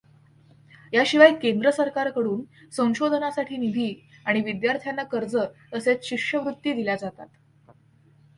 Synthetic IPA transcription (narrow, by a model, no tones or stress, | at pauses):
jaɕiʋajkend̪ɾəsəɾkaɾkəɽuːn | sə̃w̃ɕod̪ʱənasaʈʰiːnid̪ʱiːaɽ̃iʋid̪jaɾt̪ʰjanːakəɾd͡zət̪əset͡sɕikʂəʋɾut̪jid̪ilad͡zat̪a̰t̪